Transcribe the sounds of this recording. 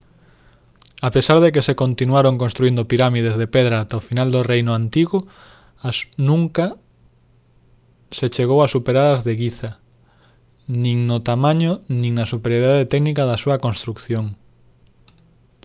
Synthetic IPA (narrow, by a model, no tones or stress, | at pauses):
apesaɾðekesekont̪inwaɾoŋkõnst̪ɾuind̪opiɾamiðezðepɛðɾaːt̪aofinald̪orejnʊant̪iɣʊ | asnũŋka | set͡ʃeɣowasupeɾaɾazðeɣiθa | nĩŋnʊt̪amãɲʊnĩŋnasupeɾjoɾiðaðet̪ɛɡnikaðɐsuɐkõnst̪ɾukθjoŋ